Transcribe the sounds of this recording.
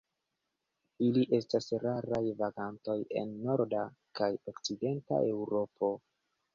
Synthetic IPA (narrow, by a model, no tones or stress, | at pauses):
iliʔe̞stasɾaɾajvaɡanto̞je̞̰nːo̞ɾda | kajo̞kt͡side̞nta̰ʔe̞wɾo̞po̞